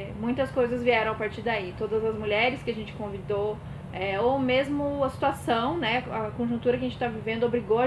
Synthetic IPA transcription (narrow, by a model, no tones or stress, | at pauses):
ɛmũj̃t̪ɐskojzɐzviɛɾɐ̃w̃apaɾt͡ʃiɾd̪ait̪od̪ɐzɐzmuʎɛɾɪskɪɐʒẽnt͡ʃɪ̥kõvid̪o | ɛomezmʊɐsi̥t̪uasɐ̃w̃nɛɐkõʒũt̪uɾɐkɪɐʒẽt͡ʃɪt̪avivẽnd̪ʊobɾiɡoɐ